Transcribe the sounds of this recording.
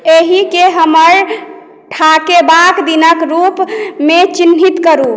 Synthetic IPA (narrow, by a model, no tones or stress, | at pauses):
eɦikeɦəməɾ | ʈʰakebakd̪inəkɾupmet͡ʃinɦit̪kəɾu